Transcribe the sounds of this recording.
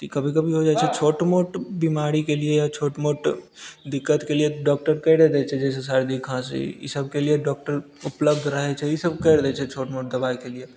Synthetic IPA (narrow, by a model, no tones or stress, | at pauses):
t̪ikɐbʱikɐbʱiɦod͡ʒaːt͡ʃʰɛt͡ʃʰoːʈmoːʈbimaːɾikeliejat͡ʃʰoːʈmoʈd̪ɪkːət̪kelieɖɔːk̚ʈəɾkɛɾed̪ɛt͡ʃʰɛd͡ʒɛːs̬es̬aɾd̪ikʰãsḛjḭsəb̚kelijeɖɔːk̚ʈəɾ | ʊpləbd̪ʱɾəɦet͡ʃʰɛjisəbkɛɾd̪ɛt͡ʃʰɛt͡ʃʰoːʈmoːʈ̚d̪ɐbaːikelie